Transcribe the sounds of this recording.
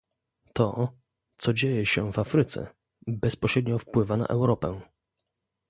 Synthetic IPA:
t̪ɔ | t̪sɔd͡ʑejɛɕɛvafɾɘt̪sɛ̰ | bɛspɔɕɾɛd̪ɲɔfpwɘvana̰ʔɛwɾɔpɛ̃

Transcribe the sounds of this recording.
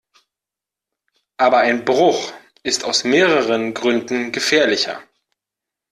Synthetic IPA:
ʔaːbɐaɪnbʁʊχ | ʔɪstaʊsmeːʁəʁənɡʁʏndn̩ɡəfɛːɐlɪçɐ̰

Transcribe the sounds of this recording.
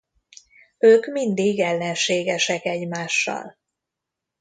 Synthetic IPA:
øːkmind̪iːɡɛlːɛnʃeːɡɛʃɛkɛɟmaːʃːɒ̰l

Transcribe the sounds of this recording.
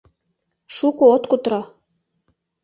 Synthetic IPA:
ʃukoot̪kut̪ɾɑ

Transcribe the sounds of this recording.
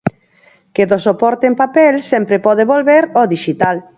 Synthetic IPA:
keðosopɔɾt̪empapɛlsɛmpɾepɔðeβolβeɾoðiʃit̪al

